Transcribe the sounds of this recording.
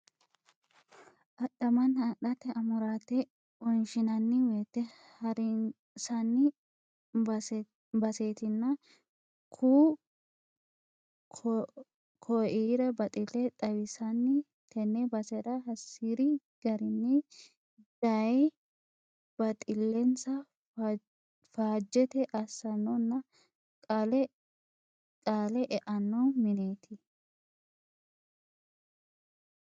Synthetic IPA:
ʔɐɗɐmɐnɐɗɐt̪ɛɐmʊɾaːt̪ɛ | ɔnʃɪnɐnːɪweːt̪ːɛ | hɐɾɪ | sɐnːɪ | bɐseːt̪ɪnːɐ | kʰuː | kʰɔiːɾɐbɐt̪ʼɪlɛt̪ʼɐwɪsɐnːɪ | t̪ʰɛnːɛbɐsɛɾɐɦɐsːiɾɪ | ɡ̥ɐɾɪnːɛ | d̪̥ɐ | b̥ɐt̪ʼɪlːɛnsɐ | faːd͡ʒːɛt̪ɛʔɐsːɐnːɔnːɐ | ɐlɛ | tʼaːlɛʔɛʔɐnːɔmɪne̞ːt̪ʰɪ

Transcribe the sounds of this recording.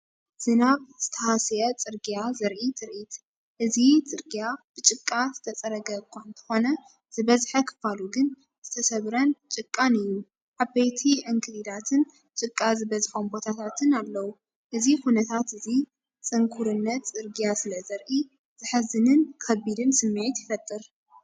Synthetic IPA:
z̥ɨnaβz̥ɨt̪ʰɐhasjɐt͡sʼɨɾɡijazɐɾʔit̪ʰɨɾʔit̪ | ʔɨzit͡sʼɨɾɡijab̥ɨt͡ʃʼɨkʼːazɨt̪ʰɐt͡sʼɐɾɐɡɐkʷʰːuɨnt̪ʰɐ̥xo̞nɐ | z̥ɨβɐzħɐkʰɨ̥faluɡɨn | z̥ɨt̪ʰɐsɐβɾɐnt͡ʃʼɨkʼːanɨjːu | ʕabɐjt̪ʰiʕɨŋkʰɨdid̪at̪ʰɨn | t͡ʃʼɨkʼːazɨβɐzħombo̞t̪ʰat̪ʰat̪ʰɨnalːɐwu | ʔɨzixunɐt̪ʰat̪ɨzi | t͡sʼɨŋkʰuɾɨnːɐt̪t͡sʼɨɾɡijasɨlɐzɐɾʔi | z̥ɨħɨzɨnɨnkʰɐbid̪ɨnsɨmːɨʕit̪jɪfɐt̪ʼːɨɾ

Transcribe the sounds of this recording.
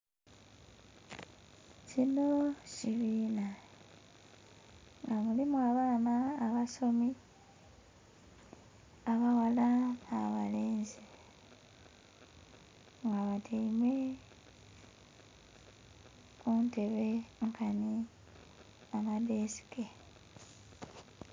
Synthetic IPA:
cino̞ciβiːna | ŋɡamulimuaβaːnaːβaso̞mi | aβawalaaβa̰leːnzi | ŋɡaβatʰiime | unte̞βeŋkani | amadesi̥ke

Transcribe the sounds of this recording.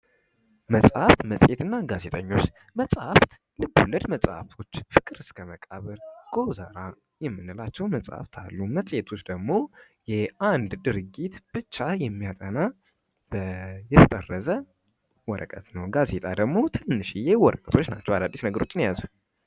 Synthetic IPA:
məsʼaft̪məsʼet̪ɨnːaɡaze̞t̪ʼəɲːo̞t͡ʃː | məsʼaft̪ | lɨbːuləd̪məsʼa̰ft̪ʰo̞t͡ʃːfɨkʼɨɾɨskʰəməkʼaβəɾɡ̥oza̰ɾa | jɛmːɨnːɨlat͡ʃːɛwməsʼa̰ft̪ʰa̰lːuməsʼet̪ʰo̞t͡ʃːd̪əɡmo̞ | jɛand̪d̪ɨɾɡit̪b̥ɨt͡ʃːajɛmːijat̪ʼəna | b̥əjɛt̪ʰət̪ʼərːəzə | wɔɾə̰kʼət̪nəwɡazet̪ʼad̪əɡmo̞t̪ʰɨnːɨʃijewɔɾəkʼə̥t̪ʰo̞t͡ʃːna̰t͡ʃːɛwalad̪ːisnəɡəɾo̞t͡ʃːɪnjazə

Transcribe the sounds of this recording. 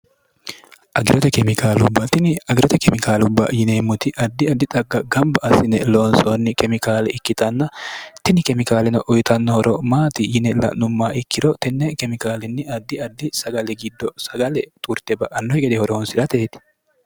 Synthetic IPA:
ʔɐɡɪɾɔt̪ɛkɛmɪkaːlʊbːɐt̪ɪnɐɡɪɾɔt̪ɛkɛmɪkaːlʊbːɐ̰jɪneːmːʊt̪ɪʔɐd̪ːɪɐd̪ːɪt̪ʼɐɡːɐɡɐmbɐʔɐsɪnɛloːnsoːnːɪkɛmɪkaːlɛɪkːɪt̪ɐnːɐt̪ɪnɪkɛmɪkaːlɛnɔʔʊjt̪ɐnːɔhɔɾɔmaːt̪ɪjɪnɛlɐ̰nʊmːaːɪkːɪɾɔt̪ɛnːɛkɛmɪkaːlɛnːɪɐd̪ːɪɐd̪ːɪsɐɡɐlɛɡɪd̪ːɔsɐɡɐlɛt̪ʼʊɾt̪ɛbɐʔɐnːɔhɛɡɛd̪ɛhɔɾoːnsɪᶑ̪ɐt̪eːt̪ɪ̥

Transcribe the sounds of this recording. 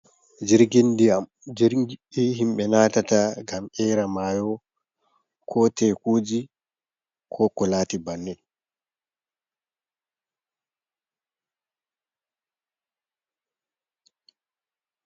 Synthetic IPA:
d͡ʒɛɾɡend | ɾɡiiɦimɓɛnaːtataɡamɛɾamaːjɔ | kʰɔtɛːkoːd͡ʒi | kʰɔkɔlaːtibanːɛ

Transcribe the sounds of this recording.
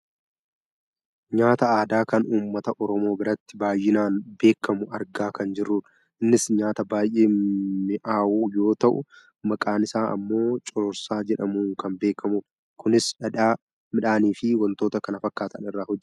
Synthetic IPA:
ɲaːt̪ɐaːd̪aːkɐnuːmːɐt̪ɐʔɔɾɔmo̞ːbɪɾɐt̪ːɪbaːjːɪnaːnbe̞ːkːɐmʊʔɐɾɡaːkɐnd͡ʒɪrːuːᶑ | ʔɪnːɪsɲaːt̪ɐbaːjʔeːɪʔaːʔuːjo̞ːt̪ɐʔʊ̰ | mɐkʼaːnɪsaːʔɐ̰mːo̞ːt͡ʃʼɔɾɾsaːd͡ʒɛᶑɐmuːŋkɐmbe̞ːkːɐmuːɾ | kʊnɪsɐᶑaː | mɪᶑaːniːfɪwɐnt̪o̞ːt̪ɐkɐnɐfɐkːaːt̪ɐnɪrːaːhɔd͡ʒːɛ̥

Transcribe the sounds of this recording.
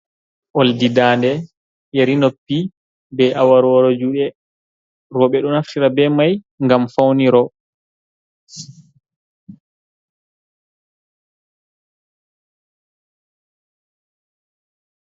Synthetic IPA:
ʔoldidaːndɛ | jeɾinopːi | bɛʔawaɾɔɾod͡ʒuɗɛ | ɾɔɓɛɗɔnaftiɾabɛmaj | ŋɡamfawniɾɔ

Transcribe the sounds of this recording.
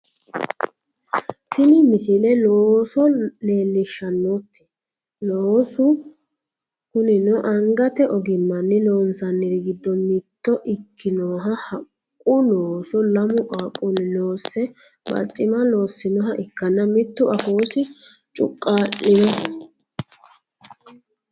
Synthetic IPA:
t̪ɪnɪmɪsɪlɛloːsɔne̞ːlːɪʃːɐnːoːt̪ːɛ̥ | loːsʊ | kʊnɪnɔʔɐŋɡɐt̪ɛʔɔɡɪmːɐnːɪloːnsɐnːɪɾɡɪd̪ːɔmɪt̪ːɔʔɪkʰːɪnoːɦɐhɐkʼːʊloːsɔlɐmʊkʼaːkʼːʊnɪnoːsːɛ | bɐ̰t͡ʃʼːɪmɐlo̞ːsːɪnɔɦɐʔɪkːɐnːɐmɪt̪ːʊʔɐfoːsɪt͡ʃʼʊ̰kʼːaːlɪdɔ

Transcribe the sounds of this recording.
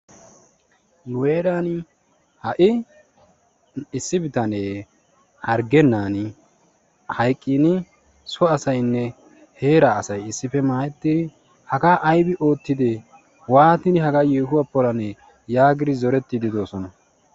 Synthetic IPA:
lweːɾaːn | hɐʔɪ | ɪsːɪbɪt̪ɐneː | hɐɾɡɛnːaːnɪ | hɐjkʼːɪnɪ | sɔɐsɐjnːɛ | he̞ːɾaːsɐjɪsːɪfɛmaːjɛt̪ːɪ | hɐɡaːʔɐjbɪʔo̞ːt̪ːɪd̪e | waːt̪ɪnɪhɐɡaːjeːɦʊwapːɔlɐnɛ | jaːɡɪɾɪzɔɾɛt̪ːɪd̪ɪd̪o̞ːsɔnɐ

